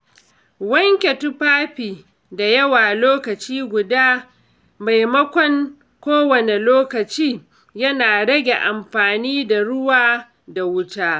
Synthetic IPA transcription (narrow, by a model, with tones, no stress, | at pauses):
wɐ˦ŋkʲe˨tʊ˦ɸaː˦ɸiː˨ | da˨jɐ˦waː˨loː˦kɐ˨t͡ʃiː˦ɡʷʊ˨daː˦ | ma˨jmɐ˦kʷɔ˦ŋ | kʷoː˦wɐ˨ne˨loː˦kɐ˨t͡ʃiː˦ | jɐ˦naː˨ɽɐ˦ɡʲe˨ʔa˨mɸaː˨niː˦da˨ɽʊ˦waː˦ | da˨wʊ˦taː˦